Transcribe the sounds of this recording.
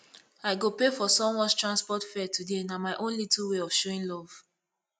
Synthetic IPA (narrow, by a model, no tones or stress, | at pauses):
aɪɡopefɔsɔ̃mwɔ̃nstɹãnspɔtfɛtʰudenamaɪʔõnlitulweɔv̥ʃoĩnlɔv̥